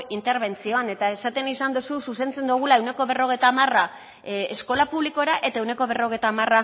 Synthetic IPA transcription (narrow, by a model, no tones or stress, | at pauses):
int̪e̞ɾβe̞nt͡sio̞ane̞t̪ae̞sat̪e̞nisand̪usususe̞nt͡se̞nd̪uɣ̞ulae̞wne̞ko̞βe̞ro̞ɣejt̪aːmara | esko̞lapuβliko̞ɾaʔe̞t̪ae̞wneko̞βe̞ro̞ɣ̞ejt̪aːmara